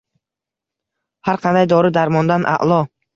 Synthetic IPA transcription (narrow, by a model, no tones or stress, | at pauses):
haɾqʰɑnd̪ajd̪ɒɾɪd̪aɾmɒnd̪anʔa̰ʔlˠɒ